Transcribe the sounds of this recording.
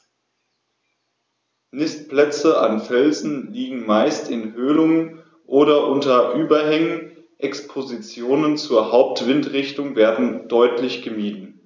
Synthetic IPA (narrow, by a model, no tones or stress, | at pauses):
nɪstplɛt͡səanfɛlzn̩liːɡŋ̩maɪstɪnɦøːlʊŋən | ʔoːɾɐʔʊntɐʔyːbɐɦɛŋən | ʔɛkspʰozit͡sjoːnənt͡suːɐhaʊp̚tv̥ɪntʁɪçtʊŋveːɐdn̩d̥ɔʏtlɪçɡ̥əmiːdn̩